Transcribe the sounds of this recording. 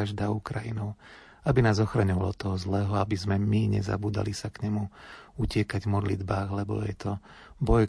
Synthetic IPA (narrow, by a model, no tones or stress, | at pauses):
aʒd̪aːukɾajinɔʊ | abinaːzɔxɾaɲɔʋalɔ̰t̪ɔɦɔzlɛːɦɔabizmɛmiɲɛ̰za̰buːd̪a̰lisakɲɛmuucɪɛkaɟvmɔd̪lid̪baːɣlɛbɔ̰jɛ̰t̪ʰɔ | bɔj